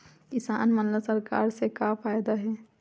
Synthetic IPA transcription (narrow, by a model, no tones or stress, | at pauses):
kɪsa̰ːnmɐnləsɐɾka̰ːɾsekafaːjd̪aɦɛː